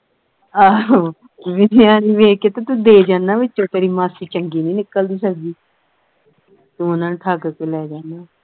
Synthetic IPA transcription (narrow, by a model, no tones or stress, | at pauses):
aːoː | ʋɪnjãːniːʋeːkeːt̪ẽːt̪ũːd̪eːd͡ʒãːnːaːʋɪt͡ʃːõːt̪eːɾiːmaːsiːt͡ʃəŋɡiːnĩːnɪkːəld̪iːsəkd̪iː | t̪unãːnʈʰaːɡkeːlɛːd͡ʒaːnaː